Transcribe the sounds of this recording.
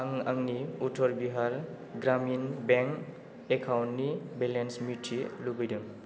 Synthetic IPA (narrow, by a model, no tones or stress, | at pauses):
aŋaŋniutʰɔɾbiɦaɾ | ɡɾaminbɛŋk | ekʰawnnibelensmitʰilubijdɯŋ